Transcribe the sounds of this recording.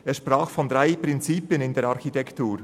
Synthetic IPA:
eːɐʃpʁaːxfɔnd̥ɾaɪpɾɪnt͡siːpjənɪndeːɾɑxitɛktuːɾ

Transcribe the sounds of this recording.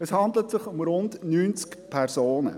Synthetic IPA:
ɛshɑndlətsɪχʊmɾʊndnyːnt͡skpʰɛɾzoːnə̰

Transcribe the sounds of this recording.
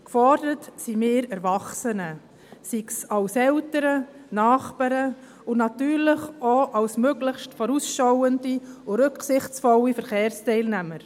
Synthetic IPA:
kfɔɾd̥əɾətsimɪːɾɛɾvɑχsənə | siksɑlsɛltəɾənɑːχpɑɾə | ʊnɑtyːɾlɪχoʔɑwsmøɡləχʃtfɔɾusʃɔwəndiʊɾɵksɪχt͡sfɔwifəɾχeːɾstɛɪlnæməɾ

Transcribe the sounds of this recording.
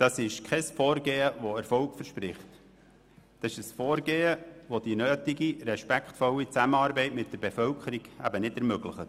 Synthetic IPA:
d̪̥ɑsɪʃkʰɛsfɔːɾɡeːəʋɔɛɾfɔʊkfəɾʃpɾɪχt̪ | d̥ɑsɪʃəsfɔːɾɡeːəʋodinøːtiɡiɾɛʃpækχtfɔlit͡sæməɑːɾbɛɪtmɪt̚d̥əɾbefœlkʰəɾiɡ̥æ̰bənɪdɛɾmøɡləχət

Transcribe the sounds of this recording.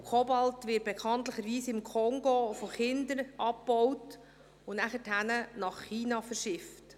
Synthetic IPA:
kʰɔbɑltʋɪt̚b̥ekʰɑnt̪ləχəɾʋiːsɪmkʰɔŋɡofɔχɪndəɾʔɑp̚b̥ɔwt | ʊnæχəthænənɑχːiːnɑfəɾʃɪft

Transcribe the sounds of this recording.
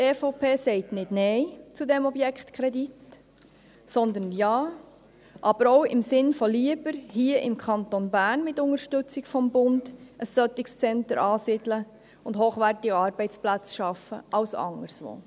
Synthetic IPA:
tefopʰeːsɛɪtnɪdnɛɪt͡sudɛmɔbjɛkχt̪kʰɾɛdit | sɔnd̪ənjɑː | ʔɑb̥əɾoʊɪmsɪnfɔliəb̥əɾhiːəʔɪmkʰɑnt̪onbæːɾnmɪtːʊŋəɾʃtʏt͡sɪɡfɔmbʊndʔəsœt̪ɪkst͡sɛntəɾɑːsɪdlə | ʊndɦoːχʋærtɪɡəɑɾbɛɪt͡splæt͡sʃɑfə̰ʔɑwsɑ̰ŋəɾsʋo̰ː

